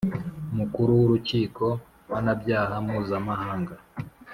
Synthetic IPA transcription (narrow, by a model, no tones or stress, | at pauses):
umukuɾuwuɾuciːko̞ | wanabɟaːhamuːzamahaːŋɡa